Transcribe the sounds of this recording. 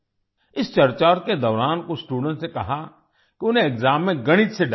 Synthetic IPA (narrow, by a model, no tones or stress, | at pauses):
ɪst͡ʃɐɾt͡ʃaːɾked̪ɔːɾaːnkosʈuːɖə̃ɳʈsekɐɦa | kiʊn̤ẽɪkzaːmːẽɡɐɽ̃ɪt̪seɖ